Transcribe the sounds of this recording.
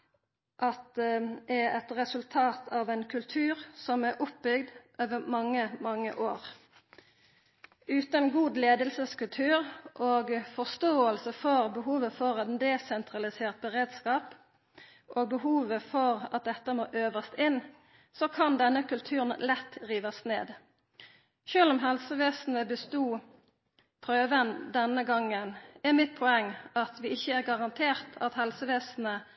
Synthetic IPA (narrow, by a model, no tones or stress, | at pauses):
ʔɑt̪̚ɛɛɛt̪ʁɛsʉlt̪ʰɑːt̪ʰɑːʋɛnkʰʉlt̪ʰʉːʁsɔmæʔʊpbʏɡd̪ʔoːʋəmɑŋːəmɑŋːə̰ʔoːʁ | ʉːt̪ənɡuːd̪leːd̪əlsəskʉlt̪ʰʉːʁʔoːɡfɔst̪oːəlsəfɔʁbəɦuːʋəfɔʁɑt̪d̪ɛsɛnt̪ʰʁɑlɪseːʁt̪̚bəʁeːd̪skɑːp | ʔoːɡ̚bəhuːʋəfɔʁɑt̪̚d̪ɛt̪ːəmoːʔøːʋəst̪ɪn | sɔkʰɑnd̪ɛnːəkʉlt̪ʰʉːʁənlɛt̪ːʁiːʋɑsnḛːd̪ | ʃøːlɔmɦɛlsəʋeːsn̩əbəst̪uː | pʰʁøːʋənd̪ɛnəɡɑŋːənæmɪt̪̚pʰɔɛŋːɑt̪ʋɪɪçːəæʁɡɑʁɑnt̪ʰeːʁt̪ʰɑt̪hɛlsəʋeːsn̩ə